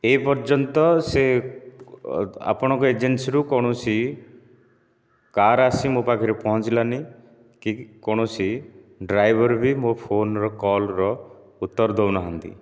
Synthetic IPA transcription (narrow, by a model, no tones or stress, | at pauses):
epɔɾd͡ʒɔnt̪ɔse | a̰pɔɽ̃ɔŋkɔed͡ʒensiɾukɔɽ̃ɔsi | kaɾasimopakʰiɾepɔɦɔt͡ʃilani | kikɔɽ̃ɔsi | ɖɾajbʱɔɾbʱimopʰonɾɔkɔlɾɔ | ut̪ːɔɾd̪ʱownɔɦɔnt̪ḭ